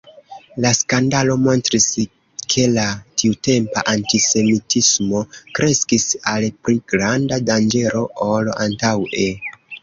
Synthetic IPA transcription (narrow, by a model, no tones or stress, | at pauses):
laskandalo̞mo̞ntɾis | kʰe̞latiute̞mpa̰ʔantise̞mitismo̞kɾe̞skisalpɾiɡɾandadand͡ʒe̞ɾo̞ʔola̰ntawe